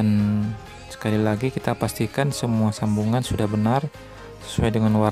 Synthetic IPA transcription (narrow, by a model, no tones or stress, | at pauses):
an | sə̥kalilaɡikit̪apast̪ikansəmuasambuŋansudahbənar | sə̥suajdəŋanwa